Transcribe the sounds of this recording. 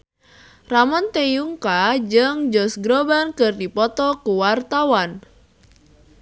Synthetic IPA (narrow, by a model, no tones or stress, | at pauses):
ramɔnt̪ejuŋkad͡ʒəŋd͡ʒɔsɡɾobankɨrdipɔt̪ɔkuwart̪awan